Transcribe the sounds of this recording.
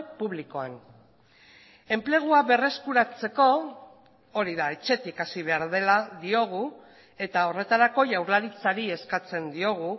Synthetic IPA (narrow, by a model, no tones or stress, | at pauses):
puβliko̞an | e̞mple̞ɣ̞uaβe̞re̞skuɾat͡se̞ko̞ | o̞ɾiðae̞t͡ʃe̞t̪ikasiβ̞e̞aɾðe̞laðio̞ɣ̞u | e̞t̪ao̞re̞t̪aɾako̞ʝawɾlaɾit͡saɾie̞skat͡se̞nd̪io̞ɣ̞u